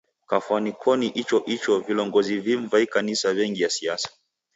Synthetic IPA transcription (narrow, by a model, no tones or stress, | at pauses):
kafwanikʰɔniʔit͡ʃɔʔit͡ʃɔvilɔŋɡɔziviɱvaikanisawɛŋɡijasiasḁ